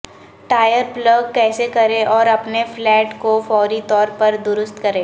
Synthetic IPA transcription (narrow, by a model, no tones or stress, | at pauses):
ʈaːjəɾplɐɡ̚kɛːsekɐɾẽʔɔːɾɐpneflɛːʈkofɔːɾit̪ɔːɾpɐɾd̪ʊɾʊst̪kɐɾẽː